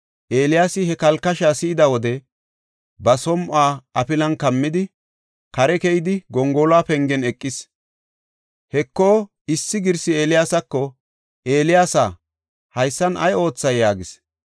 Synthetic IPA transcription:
ʔe̞ːlɪjaːsɪhɛkɐlkːɐʃaːsɪːd̪ɐwɔd̪ɛ | bɐsɔmʔaːɐpɪlɐnkɐmːɪd̪ɪ | kɐɾɛkɛjɪd̪ɪɡɔŋɡɔːlaːpɛŋɡɛnɛkʼːɪs | hɛkːo̞ː | ɪsːɪɡɪɾsɪe̞ːlɪjaːsɐkːɔ | e̞ːlɪjaːsa̰ | hɐjsːɐnʔɐ̰jo̞ːt͡sːɐjːaːɡɪs

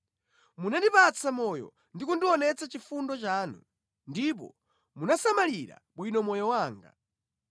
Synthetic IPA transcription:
munandipat͡sʰamɔjɔ̰ | ndikundiwɔnɛt͡sat͡ʃifundɔt͡ʃaːnṵ | ndip̬ɔ̰ | munasamaliɾa̰ɓwinɔmɔjɔwaːŋɡa̰

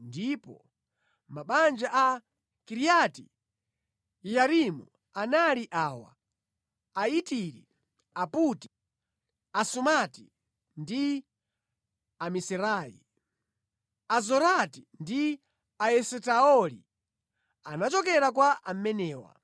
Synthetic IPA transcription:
ndipɔ | maɓand͡ʒaʔa | kiɾijati | jaɾimu | analiʔaːwa̰ | aitiɾi | aputi̥ | asumati | ndi | amisɛɾaːjḭ | azɔɾatindi | aɛsɛtaɔlḭ | anat͡ʃɔkɛɾakwaam̩mɛnɛːwa̰

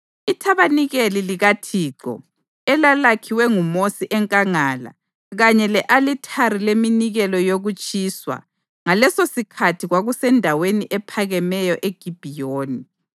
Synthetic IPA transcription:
itʰaβaniɣeliliɣatʰiːǁɔ̰ | ɛlalakʰiwɛŋumosiʔɛŋkʼaŋaːla̰ | ɣaɲɛlɛʔalitʰaɾileminiɣɛlɔjoɣut͡ʃʼiswa̰ | ŋalɛsosikʰatʰiɣwaɣusɛndʱaweniʔɛpʰaɣɛmɛjɔʔeɡ̥ʱib̥ʱijoːni

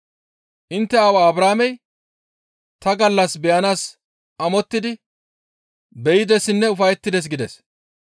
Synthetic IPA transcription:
ʔɪnt̪ːɛɐwaːbɾaːmɛj | t̪ɐɡɐlːɐsbɛjɐnaːs | ɐmɔt̪ːɪd̪ɪ | bɛjɪd̪ɛsɪnːɛʊfɐjɛt̪ːɪd̪ɛs̬ɡɪd̪ɛs

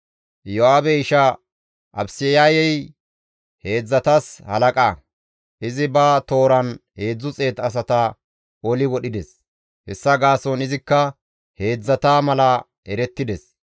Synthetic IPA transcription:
jɔaːbɛɪʃɐ | ʔɐ̰bsɪjajɛj | he̞ːd͡zːɐt̪ɐshɐ̰lɐkʼa | ʔɪzɪbɐt̪o̞ːɾɐnhe̞ːd͡zːʊt͡sʼe̞ːt̪ɐs̬ɐt̪ɐ | ʔolɪwɔɗɪd̪ɛs | hɛ̰sːɐɡaːsɔnɪzɪkːɐ | he̞ːd͡zːɐt̪aːmɐlɐ | ɛɾɛt̪ːɪd̪ɛs

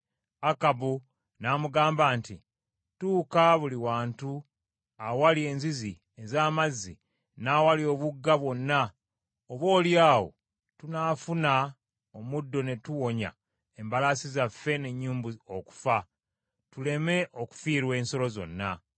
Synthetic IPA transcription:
akabu | naːmuɡaːmbaːnti | tuːkaβuliwaːntu | awalie̞ːnzizi | ezaːmazːi | nawalio̞ːβuɡːaβwo̞nːa | oβo̞ːljaːwo̞̰ | tunaːfuna | omudːo̞ne̞tuwo̞ɲa̰ | embalasizafːe̞ne̞ɲːuːmbuoku̥fa | tule̞me̞ʔo̞ku̥fiːɾwe̞ːnso̞lo̞zo̞̰nːa

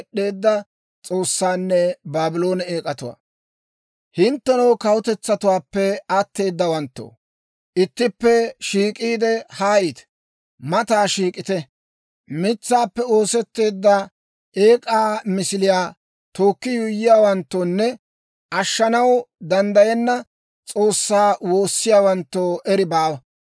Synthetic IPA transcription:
ɗːe̞ːd̪ːɐ | t͡sʼo̞ːsːaːnːɛbaːbɪlo̞ːnɛeːkʼɐt̪ʊwa̰ː | hɪnt̪ːɛnɐwkɐwʊt̪ɛt͡sːɐt̪ʊwaːpːɛɐt̪ːe̞ːd̪ːɐwɐnt̪ːo̰ː | ʔɪt̪ːɪpːɛʃiːkʼiːd̪ɛhaːjɪt̪ | mɐt̪aːʃiːkʼɪt̪ɛ | mɪt͡sːaːpːɛo̞ːsɛt̪ːe̞ːd̪ːɐ | e̞ːkʼaːmɪsɪlɪjaː | t̪o̞ːkːɪjʊjːɪjaːwɐnt̪ːoːnːɛ | ʔɐʃːɐnɐwd̪ɐnd̪ɐjɛnːɐ | t͡sʼo̞ːsːaːwo̞ːsːɪjaːwɐnt̪ːoːʔɛɾɪbaːwɐ

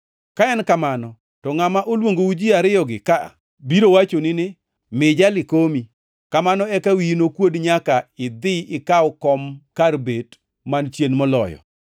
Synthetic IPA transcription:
kaɛnkamanɔ | tɔŋamaʔolwoŋɡoud͡ʒiaɾɪjɔɡɪkaa̰ | biɾowat͡ʃonɪnɪ | mɪd͡ʒalɪkomi | kamanɔɛkawinokwodɲakaɪd̪ɪɪkawkɔmkarbet | mant͡ʃjenmɔlɔ̰jɔ̰

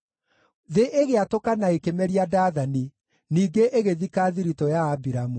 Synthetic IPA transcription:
ðeʔeɣeatokanaekemɛɾiadaːðani | niːɡeʔeɣeðikaːðiɾitɔjaːbiɾamu

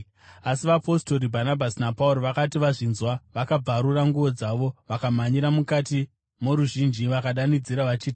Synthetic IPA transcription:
asiʋapo̞sto̞ɾibʱanabʱasinapauɾo̞ʋakatiʋaʐinzwaʋakab͡vaɾuraŋɡuʋo̞d͡zaʋo̞ʋakamaɲiɾamukati | moɾuʒind͡ʒiʋakaɗanid͡ziɾaʋat͡ʃiːti

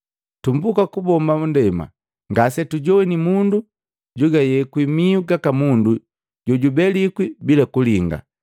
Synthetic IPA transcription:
tumbukakubɔmbaundɛma̰ | ŋɡasɛtuɟɔwɛnimundu | ɟuɡajɛkwimiuɡakamundu | ɟɔɟubɛlikwibilakuliŋɡa̰

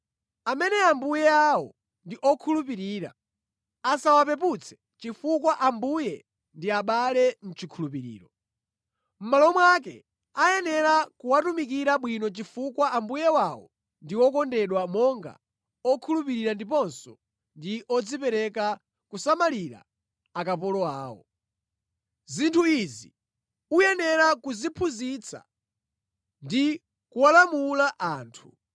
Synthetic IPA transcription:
amɛnɛambujɛawɔ | ndiʔɔkʰulup̬iɾiːɾa̰ | asawapɛp̬ut͡sʰɛ̥ | t͡ʃifukwaʔambujɛ | ndiaɓalɛn̩t͡ʃikʰulup̬iɾḭːɾɔ | m̩malɔmwak̬ɛ̰ | ajɛnɛɾakuwatumikiɾaɓwinɔt͡ʃifukwaʔambujɛwawɔ̰ | ndiwɔkɔndɛɗwamɔŋɡa̰ | ɔkʰulupiɾiɾandipɔnsɔ | ndiʔɔd͡zipɛɾɛka | kusamaliɾa̰ | akap̬ɔlɔa̰ːwɔ̰ | zintʰuizi | ujɛnɛɾakuzipʰuzit͡sʰa̰ | ndi | kuwalamulaʔaːntʰu̥

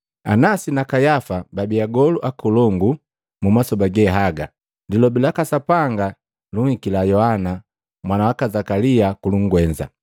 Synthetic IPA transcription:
a̰nasinakajafababiaɡɔluʔakulɔŋɡu | mumasɔbaɡɛɦaɡa̰ | dilɔbilakasapaŋɡa | luŋhikilajɔhana | mwanawakazakaliakuluŋ̩ɡwɛɲd͡ʒa̰

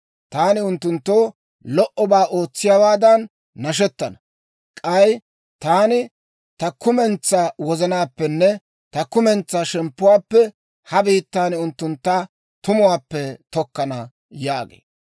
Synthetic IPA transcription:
t̪aːnɪʊnt̪ːʊnt̪ːoː | lɔʔɔbaːʔo̞ːt͡sːɪjawaːd̪ɐnː | ɐʃ̬ɛt̪ːɐnɐ | kʼɐj | t̪aːnɪ | t̪ɐkʊmɛnt͡sːaːwɔzɐnaːpːɛnːɛ | t̪ɐkʊmɛnt͡sːaːʃɛmpːʊwaːpːɛ | hɐbiːt̪ːaːnɪʊnt̪ːʊnt̪ːa | t̪ʊmʊwaːpːɛt̪ɔkːɐnɐ | jaːɡḛːd

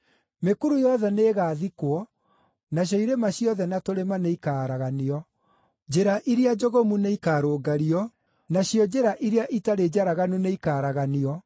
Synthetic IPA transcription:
mekuɾujɔðɛneːɣaːðikwɔ | naɕ̬jɔiɾemaɕjɔðɛnatoɾemaneikaːɾaɣaniɔ | d͡ʑeɾaʔiɾead͡ʒoɣomuneikaːɾoːɡaɾiɔ | naɕjɔd͡ʑeɾaʔiɾeaʔitaɾed͡ʑaɾaɣanuneikaːɾaɣaniɔ

